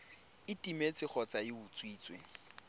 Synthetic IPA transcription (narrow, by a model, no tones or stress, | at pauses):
ɪtʼimet͡sʼɪχʰɔt͡sʼaɪut͡sʼwiːt͡sʼwe